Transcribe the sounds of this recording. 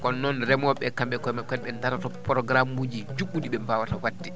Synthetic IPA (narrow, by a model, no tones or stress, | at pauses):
kɔnːɔnɾɛmɔɓɛkamɓɛkɔjmakɔnɓɛntaɾatɔpɾɔɡɾamuːd͡ʒid͡ʒuɡudiɓɛmbawatawatːi